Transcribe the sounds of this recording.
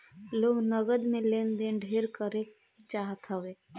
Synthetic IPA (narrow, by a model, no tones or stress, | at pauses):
loːɡnəɡəd̪mẽleːnd̪eɖʱeɾkəɾe | t͡ʃaːɦət̪ɦəʋeː